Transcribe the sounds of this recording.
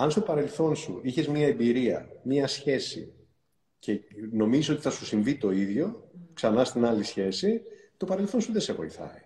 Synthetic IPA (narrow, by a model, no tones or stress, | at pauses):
ɐnst̪o̞pɐɾe̞lθo̞nsṵiçe̞zmiɐe̞biɾiɐ̰mɲɐsçe̞sḭ | ce̞no̞miziso̞t̪iθɐsusiɱvit̪o̞iðʝo̞ksɐnɐst̪inɐlisçe̞sit̪o̞pɐɾe̞lθo̞nsuðese̞vo̞jθɐ̰i